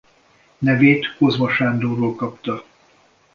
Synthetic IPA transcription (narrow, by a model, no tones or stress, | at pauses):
nɛveːt̪ko̞zmɒʃaːnd̪oːɾoːlkɒpt̪ɒ